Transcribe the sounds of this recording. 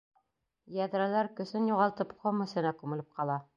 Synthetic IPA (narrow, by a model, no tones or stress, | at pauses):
jæðɾælæɾkɵ̆sɘnjuʁɑlˠt̪ɤpqomɵ̆sɘ̆nækʉmɘ̆lɘp̚qɑlˠɑ